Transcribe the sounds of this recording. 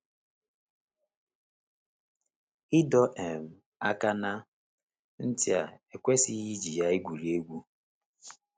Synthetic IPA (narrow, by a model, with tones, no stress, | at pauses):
i˦dɔ˦ʔe˨m̩˨ | a˦ka˦na˦ | n̩˦tɪ˦a˨e˨kʷe˦si˦ɣi˦d͡ʒi˨ja˦i˦ɡʷu˨ɾi˨˦e˦ɡʷu˦